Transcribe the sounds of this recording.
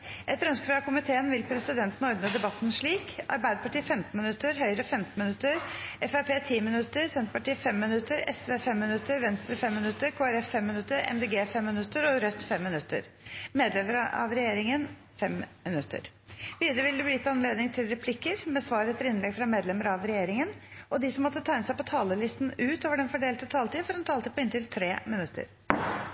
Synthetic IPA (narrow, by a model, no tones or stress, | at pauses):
ʔɛt̪ɾœnskəfɾɑkʰʊmɪt̪ʰeːənʋɪlpʰɾɛsɪd̪ɛnt̪n̩ɔɾd̪nəd̪ɛbɑt̪ːnʂɭiːkʔɑ̰ɾbæɪd̪əpɑʈiːfɛmt̪n̩mɪnʉt̪ːəɾɦœʏɾəəfɛmt̪n̩mɪnʉt̪ːəɾɛfæpeːt̪ʰiːmɪnʉt̪ːəɾsɛnt̪pɑʈiːfɛmːɪnʉt̪ːəɾɛsʋeːfɛmːɪnʉt̪ːəɾʋɛnst̪ɾəfɛmːɪnʉt̪ːəɾkʰoːæɾɛfːɛmːɪnʉt̪ːəɾɛ̰md̪eːɡeːfɛmːɪnʉt̪ːəɾɔɾœt̪ːfɛmːɪnʉt̪ːə̰ɾ | meːd̪lɛməɾɑ̰ʋɾɛjeːɾɪŋən | fɛmmɪnʉt̪ːə̰ɾ | ʋiːd̪əɾəʋɪld̪ɛbliːt̪ːɑnleːd̪nɪŋt̪ʰɪlɾɛpʰlɪkːəɾmɛsʋɑːɾɛt̪ʰəɾɪnlɛɡfɾɑmeːd̪lɛməɾɑʋɾɛjeːɾɪŋənʔɔd̪ɪsɔmːɔt̪ːət̪ʰæɪnəsæɪpɔt̪ʰɑːləlɪst̪nʉːt̪oːʋəɖɛnfɔɖeːlt̪ət̪ʰɑːlt̪iːfɔɾɛnt̪ʰɑːlt̪iːpɔɪnt̪ɪlt̪ʰɾeːmɪnʉt̪ʰːə̰ɾ